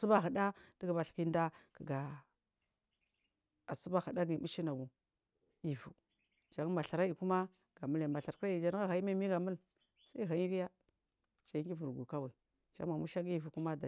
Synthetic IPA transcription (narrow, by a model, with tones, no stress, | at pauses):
su˦ba˦ɦə˨da˦d̥ə˦ɡa˨ba˨ɬki˦nda˦kə˨ɡa˨ | a˨su˦ba˦xə˨da˦ɡi˨mu˦ʃi˦na˨ɡu˨ | i˨vṵ˨ | d͡ʒa˨˦ŋ˦ma˨ɬa˨ɾa˦i˨ku˦ma˦ | ɡ̥a˨mu˦la˨ma˨ɬa˨ɾkɾa˦i˨d͡ʒa˨˦n˦a˦ɣa˨i˦ma˦mi˦ɡa˨mu˦l | sa˦ɦa˨i˦ɡi˦ja˦ | t͡ʃa˨i˦ɡi˦vu˨ɾɡu˨ka˦wa˨i˨ | d͡ʒa̰˨˦ma˨mu˦ʃa˦ɡi˨vu˨ku˦ma˦da˨